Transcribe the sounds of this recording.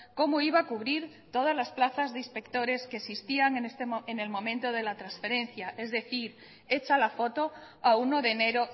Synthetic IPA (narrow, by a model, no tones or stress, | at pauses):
ko̞moiβaːkuβ̞ɾiɾ | t̪o̞ð̞azlasplaθazðeinspe̞k̚t̪o̞ɾe̞skesist̪iaŋenest̪eene̞lmõ̞mẽ̞nt̪o̞ð̞e̞lat̪ɾansfe̞ɾe̞n̟θjaʔe̞zðe̞θiɾ | e̞t͡ʃalafo̞t̪o | aunoðe̞ne̞ɾo